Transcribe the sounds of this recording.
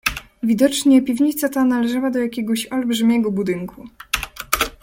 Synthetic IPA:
vʲid̪ɔt͡ʂɲɛpʲivɲit̪sat̪analɛʐawad̪ɔjakʲɛɡɔɕɔlbʐɘmʲjɛɡɔbud̪ɘŋkʰu

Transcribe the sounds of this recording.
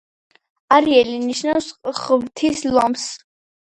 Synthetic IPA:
aɾiɛliniʃnafsχvt̪ʰislɔms

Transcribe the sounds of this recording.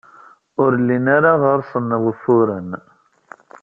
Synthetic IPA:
ʊɾlːinaɾaʁəɾsˤənːəʁəfʊɾən

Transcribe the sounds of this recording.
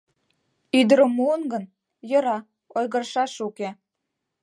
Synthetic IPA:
yd̪əɾə̆mːuənɡən | jɤ̆ɾɑ | ojɣə̆rʃɑʃuke

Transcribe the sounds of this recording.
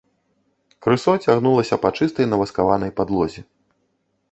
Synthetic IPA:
kɾɨsɔt͡sʲaɣnulˠɐsʲɐpat͡ʂɨst̪ɐjnɐvɐskavanɐjpad̪lˠɔzʲi

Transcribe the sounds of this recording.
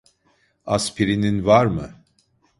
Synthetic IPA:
aspʰiɾininvaɾmɯ̰

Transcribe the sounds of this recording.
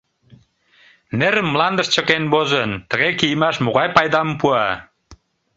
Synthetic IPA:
neɾəmːlɑnd̪əʃt͡ɕəkenbozənt̪əɣekijəmɑʃmoɣɑjpɑjd̪ɑmpuɑ

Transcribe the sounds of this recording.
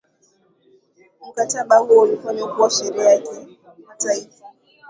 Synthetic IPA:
m̩kataɓaɦuolifanekuwaʃɛɾɛjakɛ | nataifa

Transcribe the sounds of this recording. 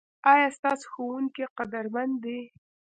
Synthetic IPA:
ɑjɑst̪ɑso̥xowuŋkeqad̪aɾmand̪e

